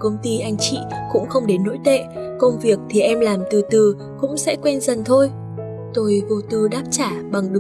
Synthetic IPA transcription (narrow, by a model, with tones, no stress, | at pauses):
kə˧wŋ͡mt̪i˧ʔa˧jŋ̟t͡ɕḭ˧˨kʊ̰˧˥ŋ͡mxə˧wŋ͡mɗe˨˦nːo̰˧˥jt̪ḛ˧˨kə˧wŋ͡mvi˨˩ək̚t̪ʰi˨˩ʔɛ˧mlaː˨˩mt̪ɨ˨˩t̪ɨ˨˩ | kʊ̰˧˥ŋ͡msɛ̰˧˥kwɛ˧nzə˨˩nt̪ʰo˧j | t̪o˧jɣo˧t̪ɨ˧˩ɗaː˦˥p̚t͡ɕaː˧˩ɓa˨˩ŋɗɨ˨˩